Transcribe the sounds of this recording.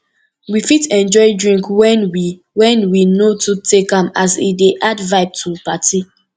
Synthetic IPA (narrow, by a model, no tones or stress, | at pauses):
wifitɛ̃nd͡ʒɔɪdɹĩŋkwɛnwi | wɛ̃nwinotutekãmazḭdeʔadvaɪb̚tʰupati